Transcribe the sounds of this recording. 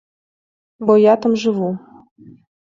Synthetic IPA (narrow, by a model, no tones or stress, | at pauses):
bojat̪amʒɨvu